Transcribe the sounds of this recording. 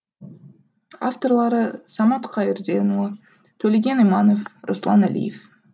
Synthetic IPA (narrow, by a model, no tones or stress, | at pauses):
aft̪o̞rlˠɑɾɯsɑmɑt̪qʰɑjɪrd̪enˠ | t̪ʰɵlʲeɡʲenijmɑnofroslˠɑnælʲḭjef